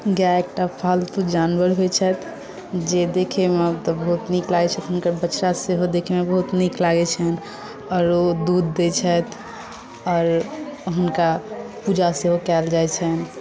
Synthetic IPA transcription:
ɡaek̚ʈapʰalt̪ud͡ʒanbəɾɦot͡ʃʰɛt̪ʰ | d͡ʒed̪ekʰemeəbt̪ɔbəɦut̪niklaɡɛt͡ʃʰɛt̪ɦunkəɾbət͡ʃːɾaseɦod̪ekʰemebəɦut̪niklaɡɛt͡ʃʰɛn | ɔːɾod̪ud̪ːet͡ʃʰɛt̪ʰ | ɔːɾɦunkapud͡ʒaseɦokɛld͡ʒajt͡ʃʰɛn

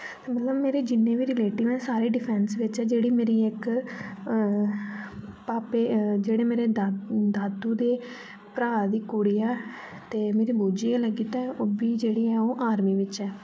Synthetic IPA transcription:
t̪eːmət̪ləbmeːɾeːd͡ʒɪnːẽːʋiːɾɪleːʈɪʋɛ̃ːsaːɾeːɖɪpʰɛ̃ːnsʋɪt͡ʃɛːd͡ʒeːɽiːmeːɾiːɪk | paːpeːd͡ʒeːɽeːmeːɾeːd̪aːd̪uːd̪eː | pɾaːɾd̪iːkuɽiːɛː | t̪eːmeːɾiːboːd͡ʒiːẽːləɡiːt̪ɛ̃ːoːbiːd͡ʒeːɽiːɛːoːʔaːɾmiːʋɪt͡ʃɛː

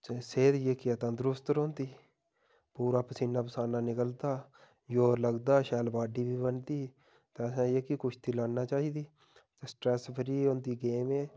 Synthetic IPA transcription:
seːd̪jeːkɪət̪ãːd̪ɾʊst̪ɾõːnd̪iː | puːɾaːpəsiːnːaːpəsaːnãːnɪkəld̪aː | joːləɡd̪aːʃɛːlbaːɖiːbiːbənt̪iː | t̪eəsãːjeːkikʊt͡ʃʰt̪ʰiːlaːnnaːt͡ʃaːiːd̪iː | t̪esʈɾɛːsbʰəɾiːond̪iːɡeːmeː

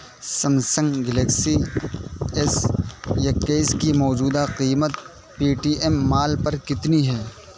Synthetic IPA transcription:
sɐmsə̃ŋɡɡɛleksi | ɛsjɐkeːskimɔːd͡ʒuːd̪aqiːmət̪ | piːʈiːʔɛmːaːlpɐɾkɪt̪niɦɛː

